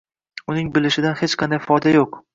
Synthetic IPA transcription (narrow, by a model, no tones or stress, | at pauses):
ʊnɪŋbɪlɪʃɪd̪anhet͡ʃqʰɑnd̪ajfɒjd̪ajoq